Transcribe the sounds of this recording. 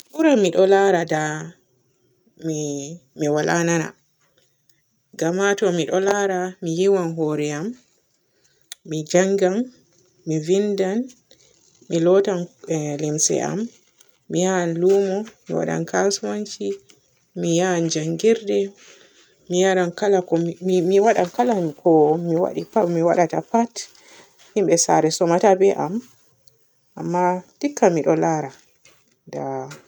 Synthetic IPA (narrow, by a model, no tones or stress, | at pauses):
ɓuɾamiɗɔlaɾada | mimiwalʔanana̰ | ɡamatɔmiɗɔlaːɾamijiwanɦoɾɛam | id͡ʒaŋɡan | mivindan | milɔtanlimsɛ̰a̰mː | ihanlumɔmḭwa̰ɗa̰nkasumant͡ʃi | mijand͡ʒaŋɡiɾdɛ | mijaɾankalakɔmiwaɗankalakʰɔmiwa̰ɗiamiwa̰ɗatapat | himɓɛsa̰ɾɛsɔmatabɛʔam | ʔamːatikːamiɗɔlaɾa | da